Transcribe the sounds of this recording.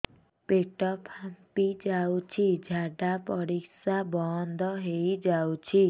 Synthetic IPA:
pek̚ʈʌpʰapid͡zawt͡sʰid͡zʱaɖapʌɾiksabɔnd̪ʱʌɦejd͡zawt͡sʰi

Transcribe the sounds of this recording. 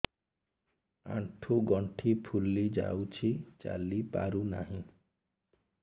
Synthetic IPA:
ã̰ʈʰuɡɔɳʈʰipʰulːid͡ʒa̰wt͡ʃʰit͡ʃa̰lipaɾuna̰ɦĩ

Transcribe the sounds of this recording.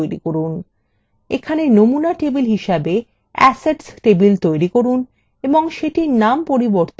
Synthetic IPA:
jɾḭkoɾun | ekʰanenomunaʈebilɦiʃabe | ɛ̰seɖsʈebilt̪ojɾikoɾun | eboŋʃeʈiɾnampoɾiboɾt̪

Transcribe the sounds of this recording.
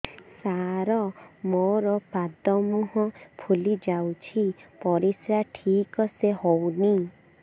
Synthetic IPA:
saɾɔmoɾɔpad̪ɔmuɦɔpʰulid͡ʒawt͡ʃʰipɔɾisɾaʈʰikɔseɦowni

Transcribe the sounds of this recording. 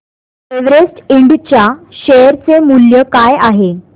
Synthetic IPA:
eʋɾesʈiɳɖt͡ɕjaɕeɾt͡semuljəkajaɦe

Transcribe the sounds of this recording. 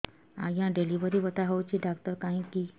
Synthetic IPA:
a̰jãɖeliʋəɾiːʋət̪aɦowt͡ɕiːɖakt̪əɾkãɦĩkiː

